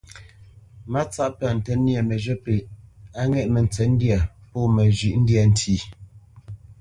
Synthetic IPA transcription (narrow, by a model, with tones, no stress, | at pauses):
ma˦t͡sa˦ʔpə˨n̩˨tɛ˨nja˨mə˨d͡ʒə˦pe˨a˦ŋɛ˦˨ʔmə˨n̩˨t͡sɛ˨˦n̩˦dja˨pɔ˦mə˨ʒi˨ʔn̩˦dja˨n̩˦tʰi˨